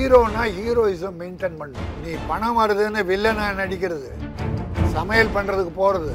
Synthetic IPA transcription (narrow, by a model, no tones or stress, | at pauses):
ɾoːnãːhiːɾoːɪsɐmːɛɪnʈenpɐɳːɯ̰̃nĩːpɐɳɐmaːɾɐðɯːnːɯʋɪɭːɐnãːnɐɽɪkʲːɪɾɐðɯ | sɐmɐjɐlpɐɳːɾɐðɯkːɯpoːɾɐðɯ